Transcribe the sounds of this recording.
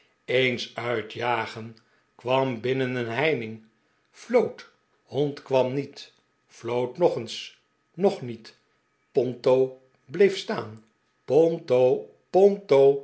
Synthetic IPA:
ejnsœɥtjaːχən | kʋɑmbɪnənənɦɛjnɪŋ | flowt | hɔntkʋɑmnit | flowtnɔχəns | nɔχnit | pɔntow | blejfstaːn | pɔntow | pɔntow

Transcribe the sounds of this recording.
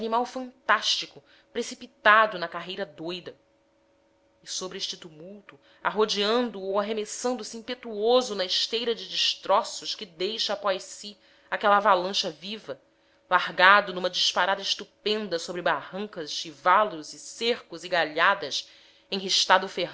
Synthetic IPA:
nimawfɐ̃nt̪aʃt͡ʃikʊ | pɾesipit̪ad̪ʊnɐkaɦejɾɐd̪ojd̪ɐ | ɪsobɾɪeʃt͡ʃɪt̪umuwt̪u | a̰ɦod͡ʒiɐ̃nd̪ʊowaɦemesɐ̃nd̪ʊsiĩpet̪uozʊnɐɪʃt̪ejɾɐd͡ʒɪd͡ʒiʃt̪ɾɔsʊʃkɪd̪ejʃɐapɔjsi | akɛlɐavalɐ̃ʃɐvivɐ | lahɡad̪ʊnũmɐd͡ʒiʃpaɾad̪ɐɪʃt̪upẽnd̪ɐsobɾɪbahɐ̃ŋkɐʃivalʊzɪseχkʊziɡaʎad̪ɐs | ẽj̃ɦiʃt̪ad̪ʊufeɦ

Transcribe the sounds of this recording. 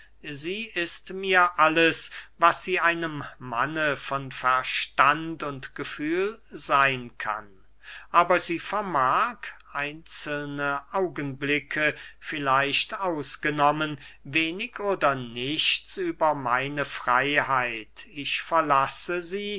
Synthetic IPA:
ziːɪstmiːɐʔaləsvasz̥iːaɪnəmːa̰nəfɔnfɛɐʃtantʊntɡ̥əfyːlzaɪnkʰa̰n | ʔaːbɐziːfɛɐmaːkʰʔaɪnt͡səlnəʔaʊɡənblɪkʰəfɪlaɪʃtaʊsɡ̥ənɔmənveːnɪkoːdɐnɪçt͡syːbɐmaɪnəfʁ̥aɪhaɪtɪçfɛɐlasəziː

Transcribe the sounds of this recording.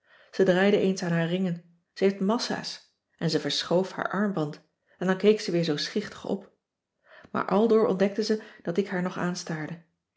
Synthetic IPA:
z̥ədraːjdəʔejnsaːnɦaːɹrɪŋən | z̥əɦejftmɑsa̰ːs | ʔɛnzəvəɹsχowfha̰ːɹʔɑɹmbɑnt | ɛndɑŋkejksəʋɪːɹzowsχɪχtə̥χɔ̰p | ma̰ːɹʔɑlˠdʊːɹɔ̰ndɛk̚təzəd̥ɑtɪkɦaːɹnɔχaːnstaːɹdə

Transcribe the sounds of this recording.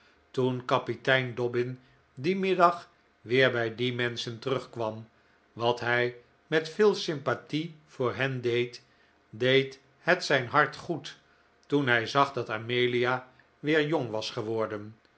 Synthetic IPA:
tunkɑpitɛjndɔbɪn | dimɪdɑχ | ʋɪːɹbɛjdimɛnsəntərɵχkʋɑm | ʋɑtɦɛj | mɛtfɪːlˠsɪmpativ̥ʊːɹɦɛndejt | dejt | ɦətsɛjnɦɑɹtχut | tunɦɛjzɑχdɑtamejlija | ʋɪːɹjoŋʋɑsχəʋɔɹdən

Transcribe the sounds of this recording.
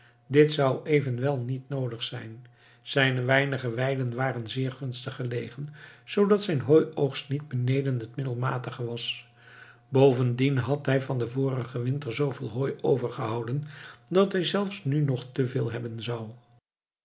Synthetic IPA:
dɪtsʌwejvənʋɛlˠnitnowdəχsɛjn | z̥ɛjnəʋɛjnəχəʋɛjdənʋaːrənzɪːɹχɵnstəχəlejχənz̥owdɑtsɛjnɦoːjowχstnid̚bənejdənɦətmɪdəlˠma̰ːtəχəʋɑs | bowvəndinɦɑtɦɛjvɑndəvʊːrəχəʋɪntəɹzowvɪːlˠɦojowvəɹχəɦɑwdəndɑtɦɛjzɛlˠfsnynɔχtəvɪːlˠɦɛbənzɑw

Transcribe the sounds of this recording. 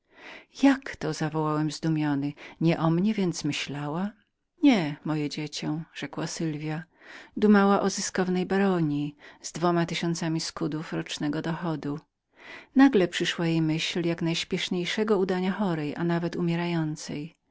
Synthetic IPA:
jakt̪ɔzavɔwawɛmzd̪umʲjɔnɘɲɛʔɔmɲɛvʲjɛnt̪smɘɕlawa | ɲɛmɔjɛd͡ʑet͡ɕɔ̃ʐ̥ɛkwasɘlvʲja | d̪umawaʔɔzɨskɔvnɛjbaɾɔɲiz̥d̪vɔmat̪ɪɕɔnt̪samʲiskud̪ufɾɔt͡ʂnɛɡɔd̪ɔxɔd̪u | naɡlɛpʂɘʂwajejmɘɕljaknajɕpʲjɛʂɲejʂɛɡɔud̪aɲaxɔɾɛjʔa̰navɛt̪umʲjɛɾajɔnt̪sɛ̰j

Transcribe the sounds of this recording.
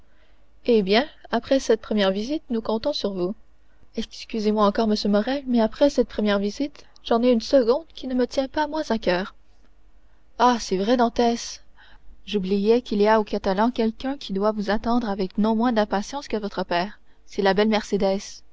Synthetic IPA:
ebjɛ̃apχɛsɛt̪̚pχəmjɛʁvizit̪̚nukɔ̃t̪ɔ̃syʁvu | ɛskʲyzemwaɑ̃kɔʁməsjømɔʁɛmɛapχɛsɛt̪̚pχəmjɛʁvizit̪ | ʒ̥ɑ̃neynsəɡɔ̃d̪kʲinəmət̪jɛ̃pamwɛ̃zakʲœːʁ | asɛvʁɛd̪ɑ̃t̪ɛs | ʒublijɛkʲiliaokat̪alɑ̃kʲɛlkʲœ̃kʲʰid̪wavuzat̪ɑ̃d̪ʁavɛknɔ̃mwɛ̃d̪ɛ̃pasjɑ̃skəvɔt̪χəpɛːʁ | sɛlabɛlmɛʁsed̪ɛs

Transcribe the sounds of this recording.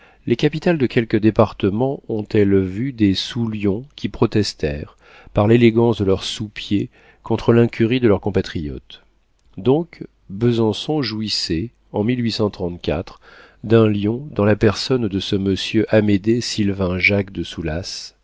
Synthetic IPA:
lekapit̪ald̪əkʲɛlkəd̪epaʁt̪əmɑ̃ɔ̃t̪ɛlvyd̪esuljɔ̃kʲʰipχɔt̪ɛst̪ɛʁ | paʁleleɡɑ̃sd̪əlœʁsupje | kɔ̃t̪χəlɛ̃kʲyʁid̪əlœʁkɔ̃pat̪χijɔ̰t̪ | d̪ɔ̃k | bəzɑ̃sɔ̃ʒuisɛ | ɑ̃milɥisɑ̃t̪χɑ̃t̪kʲa̰t̪χ | d̪ɛ̃ljɔ̃d̪ɑ̃lapɛʁsɔnd̪əsəməsjøʔamed̪esilvɛ̃ʒakd̪əsulas

